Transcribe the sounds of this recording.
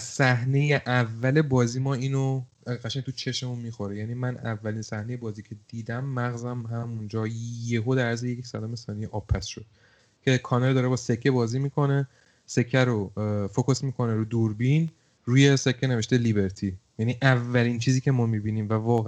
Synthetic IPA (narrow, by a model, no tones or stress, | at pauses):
sæɦne̞jeʔævːæle̞bɒːziːmɒːiːno | ɢæʃænt̪ʰut͡ʃʰe̞ʃemunmiːxo̞ɾejæniːmænævːæliːnsæhneje̞bɒːziːcʰe̞d̪iːd̪æmːæɣzæmɦæmund͡ʒɒːjeɦod̪ææɾzejeksæd̪ɒːme̞sɒːnijeʔɒbpʰːæsʃod̪̥ | cʰe̞kʰɒːneld̪ɒːɾebɒːse̞kʰːe̞bɒːziːmiːkʰo̞ne̞ | se̞cʰːæɾofokʰosmiːkʰo̞neɾuːd̪uɾbin | ɾuːje̞se̞cʰːene̞veʃt̪elibe̞ɾt̪ʰijæniʔævːæliːnt͡ʃʰiːziːcʰemɒːmibiːniːmvævɒːɣ